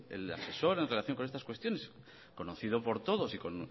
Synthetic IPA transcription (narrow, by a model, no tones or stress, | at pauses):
ḛla̰se̞so̞ɾe̞nrelaθjo̞ŋkonest̪askwe̞st̪jo̞ne̞s | ko̞noθið̞opo̞ɾt̪o̞ðo̞siko̞n